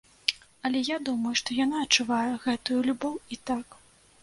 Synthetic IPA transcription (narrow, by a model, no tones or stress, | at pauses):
ɐlʲɛjad̪umɐjuʂt̪ɔjan̪aɐtt͡ʂːɨvajɐɣɛt̪ujulʲubɔwit̪ak